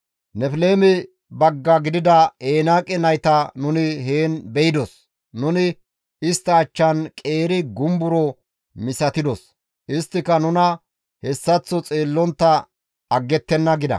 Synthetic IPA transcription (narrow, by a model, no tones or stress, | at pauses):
nɛfle̞ːmɛ | bɐɡːɐɡɪd̪ɪd̪ɐeːnaːkʼɛnɐjt̪ɐnʊnɪheːnbɛjɪd̪ɔs | nʊnɪ | ɪst̪ːɐːt͡ʃːɐnkʼe̞ːɾɪɡʊmbʊɾɔ | mɪsɐt̪ɪd̪ɔs | ʔɪst̪ːɪkɐnʊnɐ | hɛsːɐt͡sːɔt͡sʼeːlːɔnt̪ːɐ | ɐɡːɛt̪ːɛnːɐɡɪd̪ɐ̰